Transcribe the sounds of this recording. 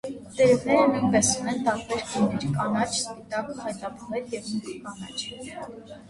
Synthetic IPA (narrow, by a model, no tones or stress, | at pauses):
d̪̥ɛɾɛvnɛɾəninpɛsunɛnt̪ɑɾbɛɾɡəniɾkɑnɑt͡ʃʰspit̪ɑkəhɑjt̪̚nɑpʰɔʁɛljɛvmut̪kɑnɑ̰t͡ʃʰ